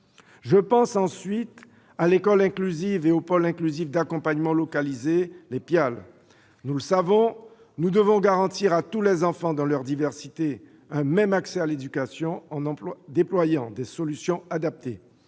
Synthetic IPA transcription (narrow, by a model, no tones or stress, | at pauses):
ʒəpɑ̃sɑ̃sɥit̪ | alekɔlɛ̃klyziveopɔlɛ̃klyzifd̪akɔ̃paɲmɑ̃lɔkalizelepjal | nuləsavɔ̃ | nud̪əvɔ̃ɡaʁɑ̃t̪iʁat̪ulezɑ̃fɑ̃d̪ɑ̃lœʁd̪ivɛʁsit̪e | ɛ̃mɛmaksɛaled̪ykasjɔ̃ɑ̃nɑ̃pd̪eplwajɑ̃d̪esɔlysjɔ̃ad̪ap̚t̪e